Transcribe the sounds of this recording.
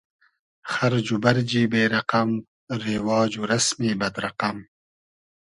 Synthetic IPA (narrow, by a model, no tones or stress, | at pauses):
xaɾd͡ʒubɐɾd͡ʒiːbeːɾɐqam | ɾewɑːd͡ʒuɾasmibɐd̪ɾɐqam